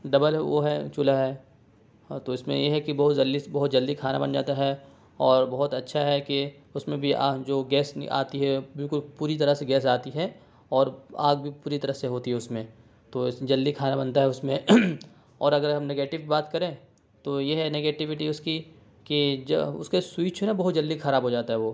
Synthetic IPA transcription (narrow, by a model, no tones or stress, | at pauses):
ɖɐbəlʋo̰ɦɛt͡ʃʊlaɦɛː | t̪oɪsmḛ̃jeɦɛkibɐɦʊt̪d͡ʒɐlːibɐɦʊt̪̚d͡ʒɐld̪ikʰaːna̰bɐnd͡ʒa̰ːt̪aɦɛ | ɔːɾbɐɦʊt̪ɐtːʃʰaɦɛki | ʊsmẽbʱid͡ʒoːɡɛːsa̰ːt̪iɦɛbɪlkʊlpuːɾit̪̬ɐɾəɦseɡɛːs̬aːt̪iɦɛ | ɔːɾa̰ːɡbʱipuːɾit̪ɐɾəɦseɦoːt̪iɦɛʊsmẽ | t̪oːɪd͡ʒɐlːikʰaːnabɐnt̪aɦɛʊsmẽ | ɔːɾɐɡəɾɦɐ̃mneɡeːʈɪʋkibaːt̪kɐɾẽː | t̪ojeɦɛneːɡeːʈɪʋɪʈiʊski | kid͡ʒ̰ʊ̰skeswiːt͡ʃʰenabɐɦʊt̪̚d͡ʒɐlːd̪ixɐɾaːbɦod͡ʒaːt̪aɦɛʋoː